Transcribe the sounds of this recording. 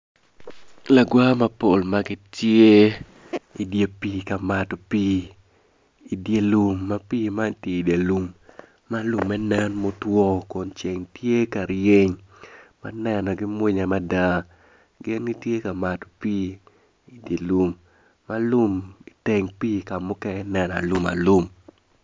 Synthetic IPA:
la˨ɡwa˦ma˦po˨lma˦ɡɪ˦tje˦ | i˨dje˦piː˦ka˨ma˨to˨piː˦ | i˨dje˨lu˦mːa˦piː˦ma˦ntje˦i˨da˨lu˨mː | a˦lu˨mːɛ˦nɛ˦nmo˦twɔ˦ko˨nt͡ʃe˨ŋtje˦ka˨ɾje˦ɲma̰˦nɛ˨nɔ˨ɡɪ˦mwe˦ɲa˨ma˦da˦ | ɡɪ˦nɡi˦tje˦ka˨ma˨to̥˨piː˦ | i˨dje˨lu˦mː | a˦lu˦mi˨te˨ŋpiː˦ka˨mʊ˦kɛ˦nɛ˨n˨a̰˨lu˦ma̰˨lu˦m

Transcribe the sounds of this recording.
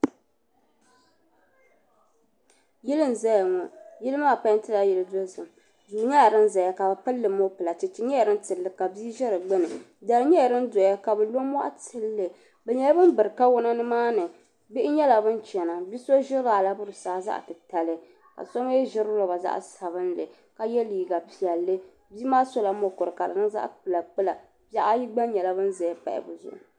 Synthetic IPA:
jɪ˦lɨ˦m˨za˦ja˨ŋɔ˨jɪ˦lɨ˦maː˦˨pa˦ɲ˦ntɨ˦la˨jɛ˨lɨ˨do˦zɨ˨m | duː˨˦ɲa˦ja˨ɾɨ˦nza˨ja˨ka˨ba˨pɨ˦lːɨ˨mo˦pɨ˨la˨tɪ˨t͡ʃɪ˦ɲɛ˦ja˨ɾɨ˦n˦tɨ˨lːɨ˦ka˨bi˦ʒɛ˦ɾɨ˨ɡ͡bɨ˦nɨ˨ | da˨lɲɛ˦jɾɨ˦ndo˨ja˦ka˨bɨ˨lo˦mɔ˦ʔa̰˦tɨ˨lːɨ˨ | bɛ˨ɲɛ˦la˦bɨ˦nbɨ˨ɾɨ˨ka˦wʊ˦na˦nɨ˦maː˦nɨ˨ | bɪ˦ɪ˦ɲɛ˦la˨bɨ˦nt͡ʃɛ˨na˨bi˦so˦ʒɪ˦ɾaː˨la˦bʊ˦ɾɨ˨saː˨˦za̰˦ʔtɨ˨ta˨lɨ˦ | ka̰˨so˦m˦jɛ˦ʒɪ˦ɾɨ˦lo˨ba˨za̰˦ʔsa˨βɨ˦nlɨ˨ | ka˨jɛ˦liː˨ɡa˨pi˨ɛ˨lːɨ˦ | biː˦maː˦so˦la˨˦mo˦kʊ˨ɾɨ˨ka˨dɨ̰˨nɨ˦ŋza̰˦ʔk͡pɨ˨la˨k͡pɨ˦la˨ | ba˦ʔa˦ji˦ɡ͡ba˦ɲɛ˨la˦bɨ˦nzɛ˨˦pa̰˨ʔɪ̰˨bɨ˨zʊ̰˨ʔʊ˨

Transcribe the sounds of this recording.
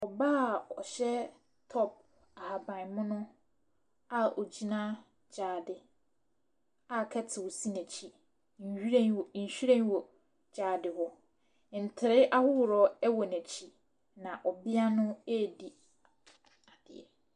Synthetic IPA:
ɔ˨baː˦˨ɔ̰˨ɕɛ˦ | tʰɔ˦p̚ | a˨ha˨bã˨nmʊ̃˦nʊ̃˦ | a˦ɔ˨d͡ʑi˦nã˦ | d͡ʑaː˨dɪ˨ | a˨kʰɛ˦tʰɪ˨wɔ˨si˦næ̃˨t͡ɕʰi˨ | n̩˨hᶣɾã˦nwn̩˨ɕᶣy˦ɾɛ̃˦nwɔ˨ | d͡ʑaː˨dɪ˨hɔ˦˨ | n̩˨tʰɪ˨ɾɪ˦ʔa˦hʊ˦wʊ˨ɾɔ˦ɛ˦wɔ˨næ̃˨t͡ɕʰi˦ | nã˨ʔɔ˨bɪ˦a˦nʊ̃˦e˦˨di˨ | a˨d̥ɪ̰˨ɛ̰˨

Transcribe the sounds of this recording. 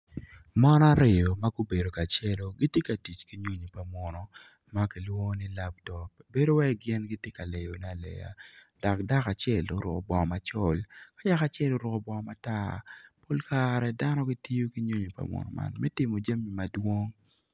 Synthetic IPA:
ma˦n˦a˦ɾe˨jo˨ma˦ɡu˦be˨do˨ka˨t͡ʃɛ˦lo˨ɡi˦tje˦ka˨ti˨t͡ʃki˦ɲo˦ɲi˨pa˨mɔ˨nɔ˨ | ma˦ki˨lwo˦ni˦la˦p̚tɔ˨pbe˦do˦wɛ˦ɡɪ˦nɡi˦tje˦ka˨le˨jo˨na˦˨lɛ̰˨ja̰˨ | d̥ɔ˨kda˦ka˨t͡ʃjɛ˦˨lo˦ɾʊ̰˨ko̰˨bɔ˨ma˨t͡ʃɔ˦˨lka˦ja˦ka˨t͡ʃɛ˦lo˦ɾʊ˨kɔ˨bɔ˨ma˦ta˦po˦lka˦ɾɛ˨da˦nɔ˦ɡi˦ti˦jo˦ki˦ɲo˦ɲi˨pa̰˨mwɔ̰˨nɔ̰˨ma̰˨nmɛ˦tɪ˨mo˨d͡ʒa˦mi˨ma˨dwo˦ŋ

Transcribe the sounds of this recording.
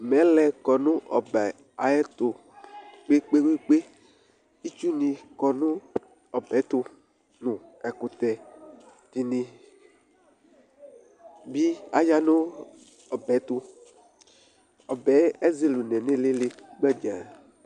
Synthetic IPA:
mɛ˨˦lɛ˨kɔ˨nʊ̃˦ʔɔ˨bɛ˨ | a˨ɛ˦t̪o˨ | k͡pe˦k͡pe˦we˦k͡pe˦ | i˦t͡ʃu˦nĩ˨kɔ˨nʊ̃˦ | ɔ˨bɛ˨˦t̪ʊ˦ | nʊ̃˨ɛ˨ku˨t̪ɛ˨ | t̪i˨nĩ˨ | bi˦a˦ja˦nʊ̃˦ | ɔ˨bɛ˨˦t̪ʊ˦ | ɔ˨bɛ˨˦e˦ze˦lu˨nɛ̃˨nẽ˦le˦le˦k͡pɛ˦d͡ʒã˨

